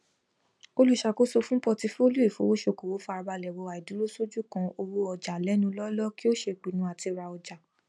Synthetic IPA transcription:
o˦lu˦ʃa˧ko˦so˧fũ˦pɔ˧ti˧fo˦lu˦e˦˨fo˨˦wo˦ʃo˧˨ko˨wo˨˦fa˧a˧ba˧lɛ˨wɔ˧a˨i˨dũ˨˦lo˦so˦d͡ʒu˦kã˧o˧ɾu˦ɔ˧d͡ʒa˨lɛ˨˦nũ˧˦lɔ˦lɔ˦ki˦o˦ʃe˧k͡pi˨nũ˧a˨ti˧ɾa˧ɔ˧d͡ʒa˨

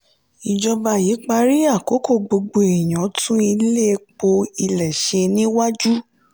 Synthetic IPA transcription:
i˨d͡ʒɔ˧ba˧˨ji˨˦k͡pa˧ɾi˦a˦˨ko˨˦ko˦˨ɡ͡bo˧ɡ͡bo˧e˨j̃ɔ̃˨˦tũ˦i˧le˦˧k͡po˧i˧lɛ˨ʃe˧nĩ˦wa˦d͡ʒu˦

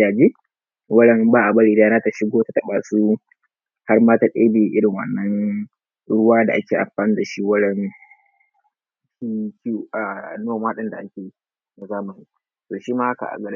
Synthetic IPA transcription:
aː˨d͡ʒeː˦ | wɐ˦ɽɐ˦nbaː˦ʔa˨bɐ˦ɽiː˨daː˦naː˦ta˨ʃɪ˦ɡoː˦ta˨tɐ˦ɓa̰ː˨su˦ | ha˦rmaː˦ta˨ɗḛː˦beː˨ʔɪ˦ɽɪ˨ŋwɐ̰˨nːɐ˦n | ɽʊ˦waː˦da˨ʔa˦kʲeː˨ʔa̰˨mɸaː˨nɪ˦nda˨ʃi˦wɐ˦ɽɛ˦n | ʃi˦kʲi˦ʔa˨noː˦˨maː˦ɗɪ˦nda˨ʔa˦kʲeː˨i˦ | na˨zaː˦ma˨ni˦ | toː˨ʃi˦maː˦ha˦ka̰˨ʔa̰˨ɡɐ˨ɾ

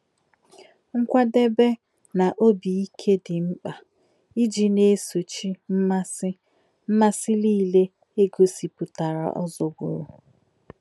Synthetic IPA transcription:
ŋ̩˦kʷa˦de˦be˦ | na˨ʔo˦bi˨i˦kʰe˦dɪ˨ŋ͡m̩˦k͡pa˨ | i˦d͡ʒi˨ne˦so˨t͡ʃi˦m̩˦ma˦sɪ˦ | m̩˦ma˦sɪ˦liː˦˨le˦ | e˦ɡo˦si˨pʊ˨ta˨ɾa̰˨ʔɔ̰˦zo˨ɡṵ˨ɾṵ˨

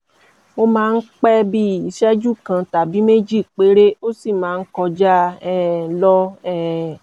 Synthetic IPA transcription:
o˦mãː˦˧n̩˦k͡pɛ˦bi˦˨i˨˧ʃɛ˦d͡ʒu˦˨kã˧ta˨bi˨˦me˦d͡ʒi˦˨k͡pe˨˦ɾe˦o˦si˦˨mãː˨˦˧n̩˦kɔ˧d͡ʒa˦ɛ˦lɔ˧ɛ˦˨

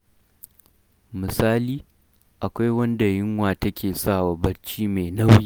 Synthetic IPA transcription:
mɨ˨saː˦liː˨ | ʔa˨kʷa˦jwɐ˦nda˨jɪ˦ŋwaː˨tɐ˦kʲeː˨saː˦˨wa˨bɐ˦ɽt͡ʃiː˦me˨na˦wjiː˦

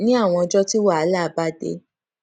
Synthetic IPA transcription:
nĩ˦a˦˨w̃ɔ̃˧ɔ˧d͡ʒɔ˦ti˦wa˦˨a˨˦la˦˨˦ba˦dḛ˧˦

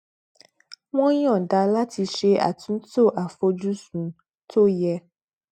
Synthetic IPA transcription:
w̃ɔ̃˦jɔ̃˦˨da˧la˦ti˧ʃe˧a̰˨tũ˨˦n˦to˦˨ʔa˨fo˧d͡ʒu˦sũ˨ | tʰo˦jɛ˦

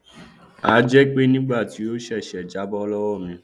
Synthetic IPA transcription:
a˨˦d͡ʒɛ˦k͡pe˦nĩ˦ɡ͡ba˦˨ti˨˦o˦ʃɛ˦˨ʃɛ˨d͡ʒa˨˦bɔ˦lɔ˦wɔ˦˨mĩ˧˦

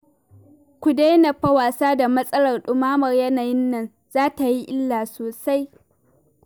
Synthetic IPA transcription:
kʷʊ˨da˦na˨ɸɐ˦waː˨saː˦da˨mɐ˦sʼɐ˦lɐ˨rɗʊ˨maː˦mɐ˨rjɐ˦naː˨jɪ˦nːɐ˨n | zaː˦ta˨ji˦ʔɪ˦lːaː˨soː˨sa˦j

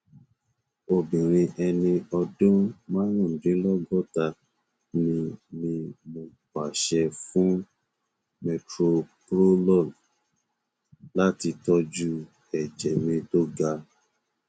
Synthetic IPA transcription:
o˧bĩ˨ɾ̃ĩ˧ʔɛ˧nĩ˧ɔ˧dũ˦mã˦nũ˦˨dĩ˨˦lɔ˦ɡɔ˦˨ta˧ | nĩ˧mĩ˧mo˧ka˨ʃɛ˧fũ˦ | mɛ˧tɾo˧kɾo˦lɔ˦˨n | la˦ti˧tɔ˦d͡ʒu˦ | ɛ˨d͡ʒɛ˨mĩ˧to˦ɡa˧

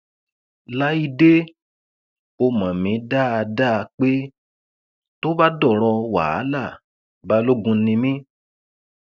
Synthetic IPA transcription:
la˦i˦de˦ | o˧mã˨mĩ˨˦da˦a˧da˦˧k͡pe˦ | to˦ba˦dɔ˦˨ɾ̃ɔ˧wa̰˨a˨˦la˦˨ | ba˨˧lo˦ɡũ˧˦nĩ˧mĩ˦

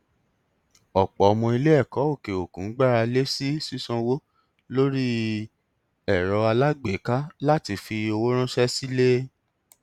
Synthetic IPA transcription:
ɔ˨k͡pɔ˨ɔ˧mɔ̃˧i˧le˦ɛ˦˨kɔ˨˦o˦˨ke˨o˨kũ˨˦ɡ͡ba˦˨ɾa˧le˦si˦si˦sɔ̃˧wo˦ | lo˦ɾi˦ | ɛ˨ɾɔ˧a˧la˦ɡ͡be˨ka˦la˦ti˧fi˧o˧wo˦ɾ̃ũ˦ʃɛ˦si˦le˦

